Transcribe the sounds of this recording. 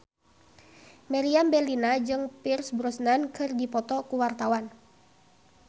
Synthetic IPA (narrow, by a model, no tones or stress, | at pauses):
mɛɾiambɛlinad͡ʒɨŋpirsbɾɔsnankɨrdipɔt̪ɔkuwart̪awan